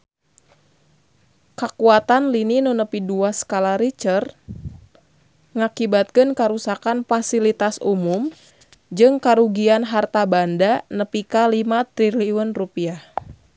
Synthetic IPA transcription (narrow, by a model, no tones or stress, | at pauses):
kakuat̪anlininunəpiduasə̥kalaɾit͡ʃər | ŋakibat̪̚kɨnkaɾusakanfasilit̪asumum | d͡ʒɨŋkaɾuɡianɦart̪abandanəpikalimat̪ɾiliunrupiah